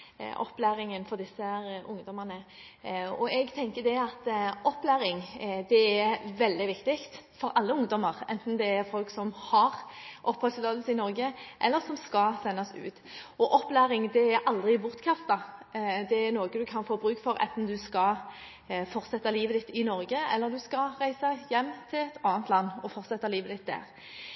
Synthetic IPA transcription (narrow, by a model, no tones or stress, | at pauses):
ʔɔ̰pːlæːɾɪŋənfɔʁd̪ɪsːəʔʊŋd̪ɔmənə | ɔɛɡt̪ʰɛŋkəd̪ɛɑt̪ɔpːlæːɾɪŋd̪ɛɛɾʋɛld̪ɪʋɪkt̪ɪkt̪fɔɾʔɑlːəʊŋd̪ɔməʁɛ̰nt̪n̩d̪ɛæɾfɔlksɔmhɑʁʔɔphœlsloːd̪əlsəɪnɔɾʁɡəʔɛlːəʁsɔmskɑsɛnːɑsʉ̰ːt̪ | ɔʔɔpːlæːɾɪŋd̪ɛæɾʔɑld̪ʁɪbʊʁt̪kʰɑft̪ɑd̪ɛæɾnoːɡəd̪ʉkʰɑnfoːbɾʉːkfɔɾɛ̰nt̪n̩d̪ʉskɑ | fɔʁt̪sɛt̪ːɑliːʋəd̪ɪt̪ːɪnɔɾɡəɛ̰lːəɾd̪ʉskɑʁæɪsəjɛmːt̪ʰɪlɛt̪ʰɑːnt̪lɑnːɔfɔʁt̪sɛt̪ːɑliːʋəd̪ɪt̪̚d̪æ̰ːʁ